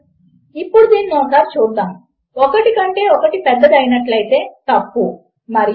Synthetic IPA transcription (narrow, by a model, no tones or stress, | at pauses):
ipːuɽud̪eːninɔːsaːɾt͡ʃuːd̪ːaːm | ɔkɐʈikɐɳʈe̞ːɔkɐʈipɛd̪ːɐd͡ʒɐjnɐʈlɐjt̪e̞ːt̪ɐpːu | mɐɾi